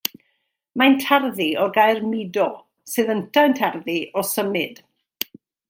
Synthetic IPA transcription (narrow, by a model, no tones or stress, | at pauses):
mantʰarðiɔɡajrmɪdɔ | sɨːðəntʰaəntʰarðiɔsəmɨd̥